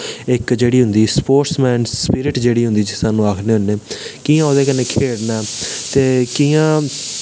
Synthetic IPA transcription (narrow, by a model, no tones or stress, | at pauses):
ɪkd͡ʒeːɽiːɦʊnd̪iːspoːɾʈsmɛ̃ːnspɪɾɪʈd͡ʒeːɽiːɦʊ̃nd̪iːd͡ʒsaːnũːaːkʰnẽːɦʊnːeːkiːãːoːd̪eːkənːeːkʰeːɽnaːt̪eːkiːãː